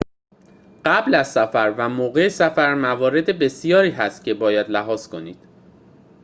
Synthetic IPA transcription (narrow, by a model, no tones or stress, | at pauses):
ɢ̥æblæz̥sæfæɾvæmoːɣe̞sæfæɾmævɒːɾe̞d̪e̞be̞sijɒːɾiːɦæst̪̚cʲʰe̞bɒːjæd̪læɦɒːz̥kʰo̞niːd̪̥